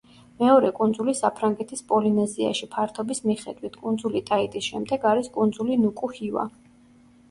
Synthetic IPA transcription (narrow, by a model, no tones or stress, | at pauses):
mɛɔɾɛkʼund̪zulisapʰɾaŋɡɛt̪ʰispʼɔlinɛzia̰ʃipʰaɾt̪ʰɔbismiχɛd̪wit̪ʰkʼund̪zulit̪ʼait̪ʼisʃɛmd̪ɛɡaɾiskʼund̪zulinukʼuhiva̰